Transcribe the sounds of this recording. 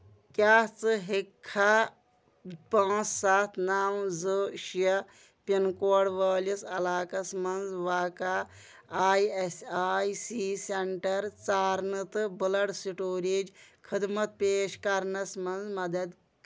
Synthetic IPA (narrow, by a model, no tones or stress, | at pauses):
kjaːt͡sɨɦekʰːaː | pãːsːaːt̪ʰnaːmzɨʃjɐ | pinkoːɽʋɐːlisɐlaːkɐsmɐnzʋaːkaː | aːjesʲaːjsiːseɳʈɐɾt͡saːɾnɨt̪ɨbɨlɐɽsiʈoːɾeːd͡ʒkʰɨd̪mɐt̪̚peːʃkɐɾnɐsmɐnzmɐd̪ɐd̪